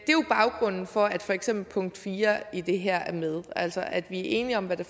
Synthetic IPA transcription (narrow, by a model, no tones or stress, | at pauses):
d̥e̝job̥ɑ̈ʊɡ̥ʁɔ̽n̰n̩fɒ̽æd̥fɒeɡ̥semb̥l̩pʰɔ̽ŋ̰d̥fiːɐid̥e̝ɦeɐ̰æɐmeð̞ˠʔæl̰sɐʔæd̥ʋiæɐʔe̝̰ːniɒ̽mʋæd̥æ